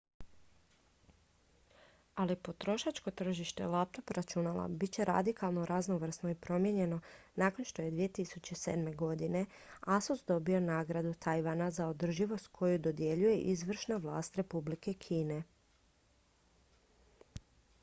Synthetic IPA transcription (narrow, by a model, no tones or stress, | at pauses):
alipo̞t̪ɾo̞ʃat͡ʃko̞t̪r̩ʒiʃt̪e̞̰lˠap̚t̪o̞pɾat͡ʃunala̰bitt͡ɕe̞ɾa̰d̪ikalˠno̞ɾʔaznoʋr̩snoipɾo̞mje̞ɲe̞no̞naːko̞nʃt̪o̞je̞d̪ʋijet̪isut͡ɕe̞sḛd̪me̞ɡo̞d̪ine̞ | asosd̪o̞bio̞naːɡɾad̪ut̪ʰajʋanazaod̪r̩ʒiʋo̞st̪̚kʰo̞jud̪o̞d̪je̞ʎuje̞ʔizʋr̩ʃnaʋlˠa̰ːst̪ɾe̞publike̞kʰiːne̞